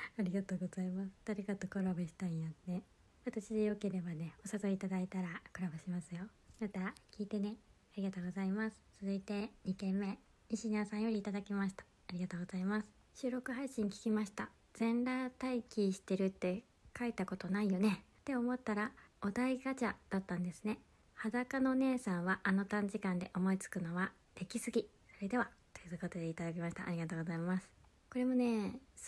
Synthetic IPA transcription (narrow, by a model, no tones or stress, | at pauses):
aɾʲiɡat̪o̞ːɡo̞z̥aimasɨ̥t̪aɾʲikat̪okoɾabeɕi̥t̪ãĩjane | βat̪aɕid̪ejo̞ke̞ɾe̞bane̞o̞sazo̞it̪ad̪ait̪aɾakoɾabɯɕimasɨjo̞ | mat̪akʲiːt̪e̞ne̞ | aɾʲiɡat̪o̞ːɡo̞zaimasɨ̥t͡sɨzɨit̪e̞ɲ̟ikẽ̞mːe̞ | iɕiɲaːsãɰ̃jo̞ɾʲiːt̪ad̪akʲimaɕi̥t̪ḁːɾʲiɡat̪oːɡo̞zaimasɨ̥ | ɕɨːɾo̞kɯ̟ɦaiɕĩŋkʲi̥kʲimaɕi̥t̪a | z̥ẽ̞nɾaːt̪aikʲiɕi̥t̪e̞ɾɯ̟t̪ːe̞ | kait̪ako̞t̪o̞naijo̞ne̞t̪e̞o̞mo̞t̪ːaɾao̞d̪aiɡat͡ɕad̪̥at̪ːãnd̪e̞sɨne̞ | had̪akano̞ne̞ːsãɰ̃βaʔano̞t̪ãɲ̟d͡ʑikãnd̪e̞ʔo̞mo̞it͡sɨ̥kɯ̟no̞βa | d̪̥e̞kʲisɨɡʲi | so̞ɾe̞d̪e̞βat̪o̥jɯko̞t̪o̞d̪e̞it̪ad̪akʲimaɕi̥t̪a̰ʔːɾʲiɡat̪o̞ːɡo̞zaimasɨ̥ | ko̞ɾe̞mo̞ne̞ː